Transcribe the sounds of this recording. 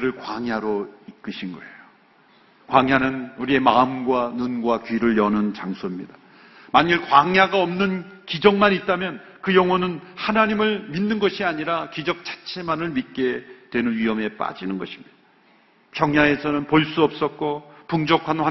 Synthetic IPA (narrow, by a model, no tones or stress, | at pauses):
ɾɯɭkwaŋɦjaɾoik͈ɯɕʰinɡʌe̞jo | kwaŋɦjanɯnuɾie̞maɯmɡwanunɡwakɥiɾɯɭjʌnɯnt͡ɕaŋsʰoimɲida | maɲɯɭkwaŋjaɡaʌmnɯnkid͡ʑʌŋmanit̚t͈amjʌn | kɯjʌŋɦʌnɯnhanaɲimɯɭminːɯnɡʌɕʰiaɲiɾakid͡ʑʌk̚t͡ɕ͈ḁt͡ɕʰe̞manɯɭmit̚k͈e̞twe̞nɯnɥiʌme̞p͈a̰d͡ʑinɯnɡʌɕʰi̥mɲid̥a | pjʌŋɦjae̞sʰʌnɯnpoɭs͈uʌp̚s͈ʌt̚k͈opuŋd͡ʑʌkʰanɸa